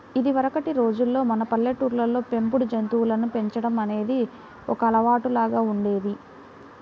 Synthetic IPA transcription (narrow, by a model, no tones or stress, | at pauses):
id̪iʋɐɾɐkɐʈiɾo̞ːd͡ʒulːo̞ːmɐnɐpɐlːeʈːuːɾlɐlo̞ːpe̞mpuɽud͡ʒɐnt̪uːlɐnupe̞ɲt͡ʃɐɽɐmɐne̞ːd̪i | ɔkɐːlɐʋaːʈulaːɡaːuɳɖe̞ːd̪i